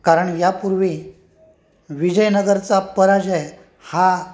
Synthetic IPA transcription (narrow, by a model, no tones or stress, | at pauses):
kaɾəɳjapuɾʋi | ʋid͡ʑəjnəɡəɾt͡sapəɾad͡ʑɛ | ha